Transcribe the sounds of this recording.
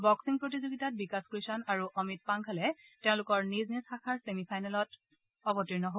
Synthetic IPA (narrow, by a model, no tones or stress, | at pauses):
bɔksiŋpɹot̬izoɡitat̚bikaskɹisɔnaɹuʔɔmit̚paŋkʰalɛteʊ̃lʊkɔɹniznisxakʰaɹsemipʰajnɛlɔt | ɔbɔtiɹnɔɦo